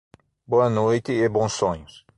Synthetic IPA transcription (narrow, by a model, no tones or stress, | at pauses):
boɐnojt̪ɪebõsõɲʊs